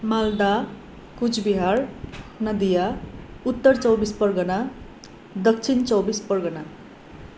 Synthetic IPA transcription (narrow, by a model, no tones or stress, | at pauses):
mald̪a | kut͡sʰbiɦarnʌd̪ijaut̪ːʌrt͡sʌwbispʌrɡʌna | d̪ʌk̚t͡sʰint͡sʌwbispʌrɡʌna